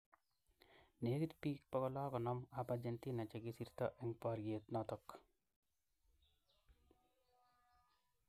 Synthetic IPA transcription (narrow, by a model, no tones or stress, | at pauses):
nekit̪piːk̚pɔkɔlaːkɔnɔmapad͡ʒent̪inat͡ʃeɡisiɾt̪ɔ̰ʔɛŋpɔɾɡet̪nɔt̪ɔk